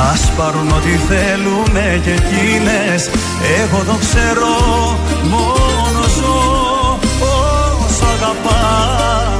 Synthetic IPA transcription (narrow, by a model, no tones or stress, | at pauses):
ɐspɐɾuno̞t̪iθelume̞ce̞cine̞ | s | eɣo̞ðo̞kse̞ɾo̞ | mo | nozo | posɐɣɐpɐ